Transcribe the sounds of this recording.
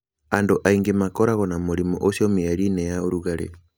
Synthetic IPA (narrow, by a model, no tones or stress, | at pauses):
andoʔaiŋɡemakoɾaɣɔnamoɾimo̰ʔosjomiaɾinɛjaoɾuɣaɾḛ